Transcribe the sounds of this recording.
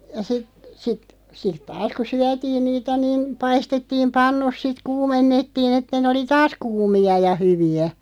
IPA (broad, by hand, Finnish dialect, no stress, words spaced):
jɑ sit sit sit tɑːs ku syætiːn niːtæ niːn pɑistetːiːm pɑnːus sit kuːmenːetːiːn etːæ nĕ oli tɑːs kuːmiɑ jɑ hyʋiæ